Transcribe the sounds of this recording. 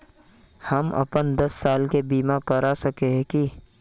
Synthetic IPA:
hɐmɐ̰pənd̪ɐsːaːlkebiːmakɐɾasɐkeɦki

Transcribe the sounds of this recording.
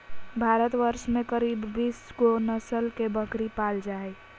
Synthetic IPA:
bʱaɾət̪ʋəɾʃmẽkəɾibːiːskonəsəlkebəkɾipald͡ʒaːe

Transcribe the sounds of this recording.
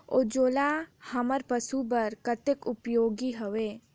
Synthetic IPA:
o̰ːd͡ʒoːlahɐməɾpəsubəɾkət̪ɪkʊpjoːɡiɦoʋeː

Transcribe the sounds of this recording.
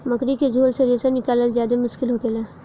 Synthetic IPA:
mɐkɾiked͡ʒʱoːlseɾesenɪkaːləld͡ʒaːd̪emʊʃkɪlɦoːkelaː

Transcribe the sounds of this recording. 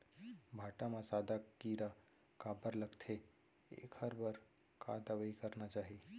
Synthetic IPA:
bʱaːʈamãsaːd̪akiɾa | kabəɾləɡt̪ʰe | ḛːkhəɾbəɾ | ka̰d̪əʋəikəɾnat͡ʃaːɦie

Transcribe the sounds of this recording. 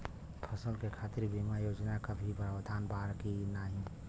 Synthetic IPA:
pʰəsəlkekʰaːt̪ɪɾbʱimajoːd͡ʒnakəbʱibəɾbd̪ʱaːnbaːɾkinaɦĩ

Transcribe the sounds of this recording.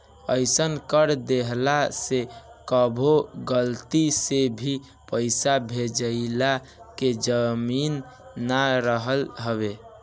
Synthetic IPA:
əɪsənkəɾd̪eɦlasekəbʱoɡəlt̪isebʱi | pəɪsabʱed͡ʒəɪla | ked͡ʒəminː | aɾəɦəlɦəβe

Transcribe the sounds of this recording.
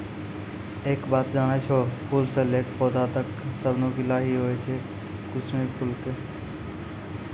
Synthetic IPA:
eːkbaːt̪d͡ʒaːñet͡ʃʰoːpʰʊlseleːkpoːd̪at̪əksəbnõkɪlaːɦiɦoːet͡ʃʰe | kʊsmipʰʊlke

